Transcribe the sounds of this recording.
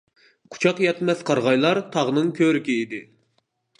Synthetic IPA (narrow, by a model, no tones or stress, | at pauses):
qʰu̥t͡ʃʰɑqjɛt̪mɛθqʰɑɾʁɑjlˠɑɾt̪ʰɑʁnɨŋkʲʰøɾɪkʲiːd̪ɪ